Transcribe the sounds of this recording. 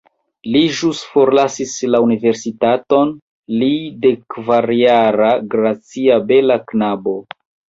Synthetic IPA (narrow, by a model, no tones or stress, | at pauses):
liʒusfo̞ɾlasislaunive̞ɾsitato̞n | lidekvaɾjaɾaɡɾat͡siabe̞laknabo̞